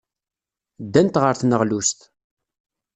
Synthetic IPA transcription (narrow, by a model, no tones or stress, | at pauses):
d̪ːænt̪ʁəɾθnəʁlust̪